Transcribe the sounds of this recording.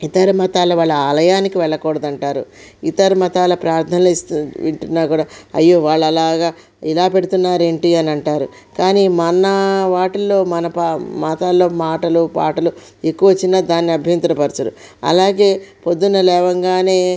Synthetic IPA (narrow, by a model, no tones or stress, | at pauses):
it̪ɐɾɐmɐt̪aːlɐʋaːɭːɐaːlɐjaːnikiʋɛɭːɐkɔːɽɐd̪ɐɳʈaːɾuit̪ɐɾmɐt̪aːlɐpɾaːɾt̪ʰɐnlst̪ʋiɳʈunːaːkuːɽaːɐjːo̞ːʋaːɭːɐlaːɡaː | ilaːpe̞ɽut̪unːaːɾe̞ːɳʈiɐnɐɳʈaːɾu | kaːniːmɐnɐʋaːʈɐlːo̞ːmɐnɐpamaːt̪alːo̞ːmaːʈɐlupa̰ːʈɐlu | ekːuʋɐʋɐt͡ʃːinaːd̪aːnːiɐbʱjɐnt̪ɾɐpɐɾt͡ʃɐɾṵ | ɐ̰laːɡe̞ːpo̞d̪ːunːɐlɛːʋɐŋɡaːne̞ː